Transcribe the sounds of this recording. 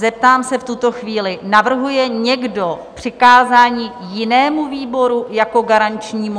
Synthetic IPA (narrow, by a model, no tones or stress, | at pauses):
zɛp̚t̪aːmsɛft̪ut̪o̞xviːlɪnavr̩ɦujɛɲɛɡdo̞pr̝̥ɪkaːzaːɲiː | jɪnɛːmuviːbo̞ɾujako̞ɡaɾant͡ʃɲiːmu